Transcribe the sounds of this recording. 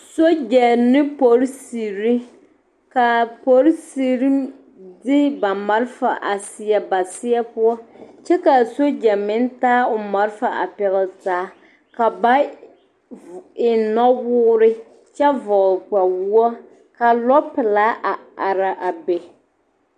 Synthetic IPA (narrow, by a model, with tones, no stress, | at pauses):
so˦d͡ʒɛ˨nɪ˦po˨˦ɾsi˨ɾi˦ | ka˨po˨˦ɾsi˨ɾi˦ | dɪ˦ba˨ma˨ɾfa˨ʔa˨sɪ˨ɛ˨ba˨sɪ˦ɛ˦pʊ˦ɔ˦t͡ʃɛ˦ka˨so˦d͡ʒɛ˨mɪ˦n˦taː˦ʊ˨ma˨ɾfa˨ʔa̰˨pɛ˨ɣɪ˨ltaː˨˦ | ka˨ba˦ | ɪ˨nɔ˦wʊː˦ɾɪ˦ | t͡ʃɛ˦vɔ˨ʔk͡pa˨wu˦ɔ˦ | ka˨lɔ˦pɪ˨laː˦ʔa˨a˨ɾa˨ʔa˨be˨